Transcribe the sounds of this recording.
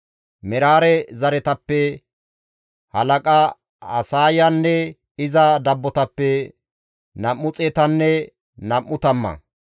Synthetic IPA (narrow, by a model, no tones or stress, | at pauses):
mɛɾaːɾɛzɐɾɛt̪ɐpːɛ | hɐlɐkʼɐ | ɐsaːjɐnːɛ | ɪzɐd̪ɐbːɔt̪ɐpːɛ | nɐmːʊt͡sʼɛːt̪ɐnːɛ | nɐmːʊt̪ɐmːɐ̰